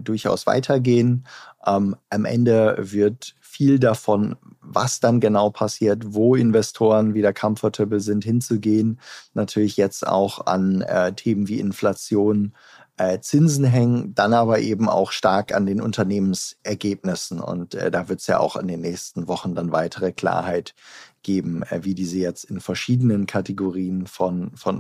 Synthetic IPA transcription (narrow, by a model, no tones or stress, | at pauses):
d̥ʊɐça̰ʊsv̥a̰ɪtʰɐɡeːənʔɛːmʔamʔɛ̰ndəvɪɐt | fiːldafɔnva̰sd̥anɡənaʊpʰasiːɐtvoːɪnvɛstʰoːʁənviːdeːɐkʰamfɐtʰɪpl̩zɪnthɪnt͡suɡeːənːatʰyːɐlɪçjɛt͡sta̰ʊxa̰nɛ̰ːtʰeːmənviːʔɪnflat͡sjoːn | ʔɛːt͡sɪnzn̩ɦɛŋənd̥anʔaːbɐʔeːbm̩a̰ʊxʃtaɐka̰ndeːnʔʊ̰ntɐneːmənsʔɛɐɡeːp̚nɪsn̩ʊ̰ntɛ̰ːdaːvɪɐtə̥sja̰ːa̰ʊxɪ̰ndeːnːɛːçstn̩vɔχn̩danva̰ɪtʰəʁ̞əkl̥a̰ːɐhaɪtɡ̥eːbm̩ːviːdiːzəjɛt͡stɪnfɛɐʃiːdənənkʰateɡoʁiːənfɔnfɔn